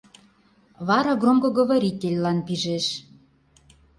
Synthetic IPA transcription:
βɑɾɑɡromɡŏɣoβoɾʲit̪ʲelʲlɑnpiʒeʃ

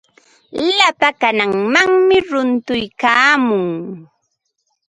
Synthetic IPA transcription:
lapakanaŋmaŋmɪɾʊnt̪ʊjkaːmʊŋ

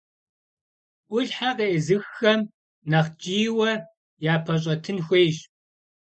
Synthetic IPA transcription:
ʔʷʊɮħaqeʔːzɨxːɐm | nɐχt͡ʃʼiːwɐ | jaːpʰɐɕ̬ʼɐtʰɨnxʷeːʒ

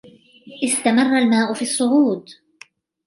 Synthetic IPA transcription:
ʔɪst̪amɑrˤːalmaːʔʊfiːɑsˤːʊʕuːd̪

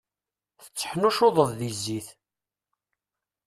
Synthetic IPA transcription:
θə̥t͡sːə̥ħnuʃoðˤəðˤðizːiθ

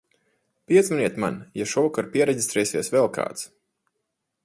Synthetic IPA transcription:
piɛd̪zmɛniɛt̪ma̰njaʃɔkɔɾpiɛɾɛɟist̪ɾɛːsiɛsvɛlˠka̰ːt̪s

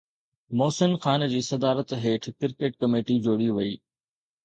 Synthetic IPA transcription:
moːsɪnxaːnd͡ʑiːsɐd̪aːɾət̪ɦeːʈʰkɪɾkeːʈ̚kɐmeːʈid͡ʑoːɽiʋɐiː

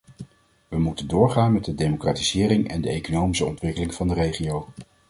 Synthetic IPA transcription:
ʋəmutəndʊːɹχaːnmɛt̚dədejmokraːtiz̥ɪːrɪŋɛ̰ndəejkonowmisəɔntʋɪkəlɪŋv̥ɑndərejχiow

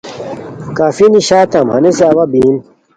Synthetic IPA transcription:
kaːfiniɕaːt̪amhɐneseɐwabiːn

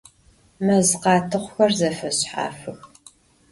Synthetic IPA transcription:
mɐzɨqɑːtʰɨχʷʊxɐrzɐfɐɕħa̰ːfɨx

